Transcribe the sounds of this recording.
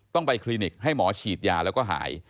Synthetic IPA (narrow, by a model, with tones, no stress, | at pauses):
t̪ɔ˥˩ŋpa˧jkʰli˧ni˨˩k̚ha˥˩jmɔː˩˦t͡ɕʰiː˨˩t̪̚jaː˧lɛː˦˥wkɔː˥˩ɦa̰ː˩˦j